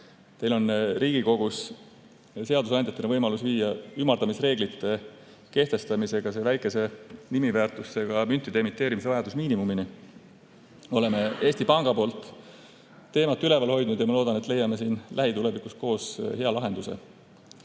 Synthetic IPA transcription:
t̪e̞jlo̞nriːɡiko̞ɡ̥us | se̞ɑd̪usɑnd̪jɑt̪ːˑenevɤjmɑlusviːjɑymːɑrd̪ɑmisre̞ːɡlit̪ːˑe̞ | ke̞ht̪e̞st̪ɑmise̞ɡ̥ɑse̞væjkːˑe̞se̞nimivæːrt̪ˑusːe̞ɡ̥ɑmynt̪ːˑid̪̥eemit̪ˑːe̞ːɾimise̞vɑjɑd̪̥usmiːnimumini | o̞le̞me̞e̞ːsʲt̪ipɑŋɡ̥ɑpo̞ːlt̪ˑː | e̞ːmɑt̪ːˑyle̞vɑlho̞jd̪̥̚nud̪̥jɑmɑloːd̪ɑnet̪ˑle̞jɑme̞siːnlʔæɦit̪ule̞vikːˑusko̞ːshe̞ɑlɑɦe̞nd̪use̞̰

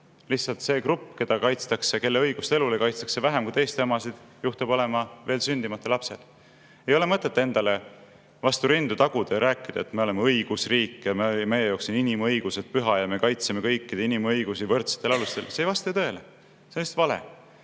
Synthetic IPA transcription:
lihsːɑlt̪se̞ːkrupˑːke̞d̪̥ɑkɑjt̪st̪ɑkseke̞lːe̞ɤjɡ̥ust̪ee̞lulekɑjt̪st̪ɑksevæɦemkujt̪e̞jst̪ɑmɑsid̪̥juht̪ɑbo̞le̞mɑve̞ːlsynʲd̪̥imɑt̪ːˑelɑpse̞l | e̞jo̞le̞mɤt̪ːˑe̞t̪ːe̞nd̪̥ɑle̞ | vɑst̪uɾind̪̥ut̪ɑɡ̥ud̪̥ɑjɾæːkːˑid̪̥ɑet̪ːme̞ole̞meɤjɡ̥usriːkːˑjɑmeme̞jejoksininimɤjɡ̥use̞d̪̥̚pyɦɑjɑme̞kɑjt̪seme̞kɤjkːid̪̥einimɤjɡ̥usivɤrt̪se̥t̪ːˑe̞lɑlust̪e̞lsejvɑst̪ɑit̪ɤ̞ele | senist̪vɑlḛ

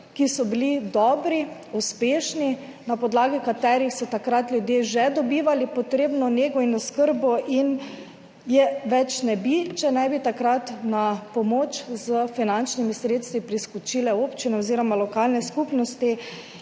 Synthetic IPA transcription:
kisɔbilid̪ɔːbɾiuspeːʃni | napɔd̪laːɡikat̪ɛːɾixsɔt̪akɾat̪lʲjʊd̪jeːʒɛd̪ɔbiːʋalipɔt̪ɾeːbnɔneːɡɔinɔskəɾbɔʔin | jɛʋɛt͡ʃnɛbit͡ʃɛnɛjbit̪akɾat̪napɔmoːt͡ʃzəfinant͡ʃnimisɾeːt̪st̪ʋipɾiskut͡ʃilɛoːpt͡ʃinɛoziːɾɔmalɔkaːlnɛskupnɔst̪i

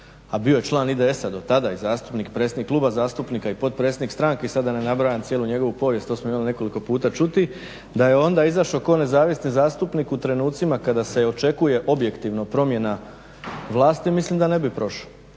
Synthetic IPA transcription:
abio̞je̞t͡ʃlˠaːnid̪eesad̪o̞t̪ad̪aizaːst̪upnikpɾe̞t̪sed̪ikːluːbazaːst̪upnikaipo̞t̪̚pɾetsʲed̪nikst̪ɾaŋkeisad̪anenabɾajant̪sjeluɲe̞ɡo̞ʋupo̞ʋjest̪osmoimaline̞ko̞liko̞puːt̪at͡ʃut̪i | d̪aje̞o̞nd̪aizaʃokoːne̞zaːʋisnizaːst̪upnikut̪ɾe̞nuːt̪simakad̪ase̞o̞t͡ʃe̞kuje̞ʔo̞bje̞kt̪iʋnopɾo̞mje̞na | ʋlˠaːst̪imislˠimd̪ane̞bipɾo̞ʃa

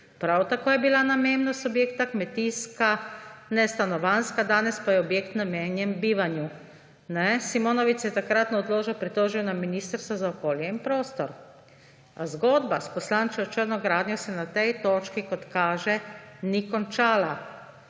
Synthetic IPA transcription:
pɾawt̪akoːjɛbilanamemnasɔbjeːkt̪akmɛt̪iskanɛst̪anɔʋanskad̪aːnɛspajɛɔbjeːkt̪nameːnjɛmbiːʋanju | nɛsimonɔʋit͡sjɛt̪akɾat̪nɔɔd̪loːʒɛwpɾit̪oːʒiwnaminist̪əɾst̪ʋɔzaɔkoːljɛinpɾoːst̪ɔɾ | azɡoːd̪baspɔslaːnt͡ʃiɔt͡ʃəɾnɔɡɾaːd̪nʲjɔsɛnat̪ɛjt̪oːt͡ʃkikɔt̪kaːʒɛnikɔnt͡ʃaːla

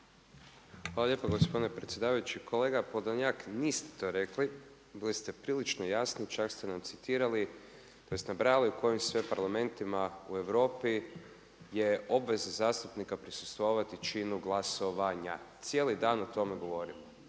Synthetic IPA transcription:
xʋaːlˠaʎepaɡospo̞d̪inepɾe̞t̪sʲje̞d̪aːʋajut͡ʃikʰo̞le̞ːɡapod̪aɲakniːst̪e̥t̪o̞ːɾe̞kli | bilist̪e̞pɾiːlit͡ʃnojasnit͡ʃakst̪enamt̪sit̪iːɾali | t̪oesnabɾaliuko̞jimsʋepaɾlˠame̞nt̪imaue̞ʋɾo̞ːpi | je̞o̞bʋe̞zazaːst̪upnikapɾisu̥st̪ʋoʋat̪it͡ʃinuɡlˠaso̞ʋaɲa̰t̪sje̞lid̪aːnot̪o̞meɡo̞ʋo̞ɾimo

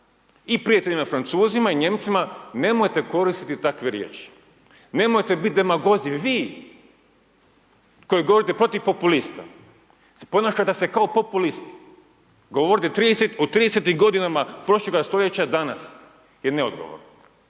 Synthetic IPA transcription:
ipɾijat̪eʎʲinafɾant̪suːzimaiɲe̞mt̪simane̞mojt̪e̞ko̞ɾist̪it̪it̪akʋeɾjḛːt͡ʃi̥ | ne̞mojt̪ebit̪̚d̪emaɡo̞ziʋiː | ko̞jiɡo̞ʋoɾit̪epɾo̞t̪iʋpopulist̪a̰ | po̞naʃat̪ese̞kaopo̞pulist̪i̥ | ɡo̞ʋoɾit̪et̪ɾiːd̪eset̪ot̪ɾiːd̪eset̪imɡo̞d̪inamapɾo̞ʃlˠeɡast̪o̞ʎe̞t͡ɕad̪ana̰s | jeneod̪ɡoʋo̰ɾno

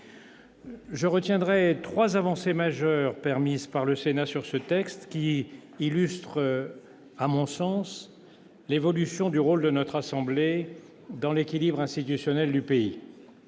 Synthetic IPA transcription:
ʒəʁət̪jɛ̃d̪ʁɛt̪χwazavɑ̃semaʒœʁpɛʁmizpaʁləsenasyʁsət̪ɛkst̪kʲiːlyst̪χ | amɔ̃sɑ̃s | levɔlysjɔ̃d̪yʁold̪ənɔt̪χasɑ̃ble | d̪ɑ̃lekʲilibʁɛ̃st̪it̪ysjɔnɛld̪ypei

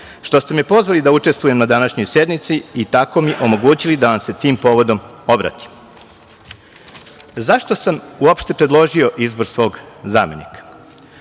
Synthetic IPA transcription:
ʃt̪o̞st̪e̞miepo̞zʋalid̪aut͡ʃe̞st̪ʋujemnad̪anaʃɲo̞jse̞d̪mit̪siːt̪ako̞miʔo̞mo̞ɡuːt͡ɕilid̪aʋamse̞t̪iːmpo̞ːʋo̞d̪o̞mo̞bɾa̰t̪i̥m | zaʃt̪o̞samuopʃt̪e̞pɾed̪lˠo̞ʒio̞ʔizbo̞ɾsʋo̞ːɡzaːme̞̰nḭkḁ

